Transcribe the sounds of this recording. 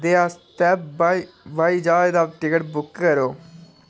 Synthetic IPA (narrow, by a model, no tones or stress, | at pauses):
d̪eːaːst̪ɛːpbai | ʋaːiːd͡ʒaːed̪aːʈɪkəʈbʊkːəɾoː